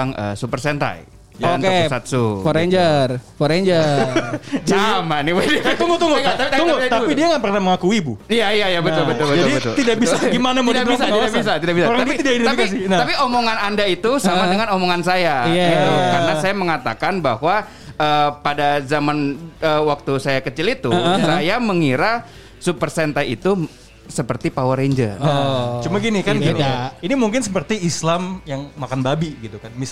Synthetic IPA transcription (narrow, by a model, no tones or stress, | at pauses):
aŋə̰supərsɛnt̪a̰j | anksat̪̚sufoɾeɲd͡ʒərfoɾeɲd͡ʒə | d͡ʒamanːiwadit̪uŋɡut̪uŋɡuŋat̪aiaŋɡut̪aidiaŋanpərnaməŋakuibuijajajabətt̪ʊlbət̪ʊlbətd͡ʒadibət̪ʊ̰lidabiatɡimanamodaisat̪idabisat̪idaʔbisaɾaŋat̪uit̪idaidit̪aipasinapiomoŋanandait̪usamadəŋanomoŋansajaɡɡit̪ukaɾənasajaməŋat̪akanbahwa | əːpadazamanəːwak̚t̪usajakət͡ʃilit̪usajaməŋiɾa | supərsɛnt̪aḭt̪u | səpərt̪ipawəɾeɲd͡ʒə̰ot͡ʃumaɡinikanɡiinimuŋkɪnsəpərt̪iislamjaŋmakanbabiɡit̪ukanmis